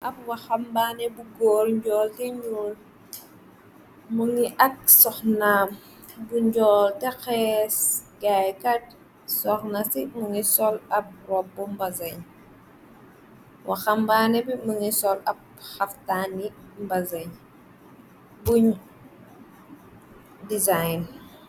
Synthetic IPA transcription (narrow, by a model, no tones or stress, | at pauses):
ʔɐb̚waxambaːnebuɡoɾɲɟɔːltiɲul | muŋiʔɐk̚sɔxnaːm | buɲɟɔːltexɛːsɡajkat̚ | sɔxnasimuŋisɔlɐp̚ɾɔbːɔmbɐzɐɲ | wʔɐxɐmbaːnɛbiməŋisɔlɐp̚ | xɐftani | mbɐzɐɲ | buɲ | dizajn